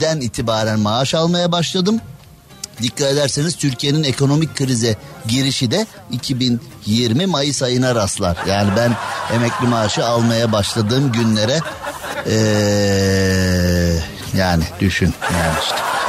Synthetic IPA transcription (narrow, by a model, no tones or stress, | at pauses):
d̪æniːt̪ʰibaːɾænmaaʃalˠmajabaʃlˠad̪ɯm | d̪ickːat̪e̞d̪æɾseniz̥t̪ʰyɾcʰije̞nine̞kʰo̞no̞mic̚kʰːɯɾizɛɟiɾiʃid̪ɛ | icʰibin | jiɾmimajɯsajɯnaɾaslˠa̰ɾ̥jaːnibæne̞mɛclʲimaːʃɯalˠmajabaʃlˠad̪ɯːmɟynlʲeɾɛ | ɛː | jaːnɪd̪̥yʃynjaniʃt̪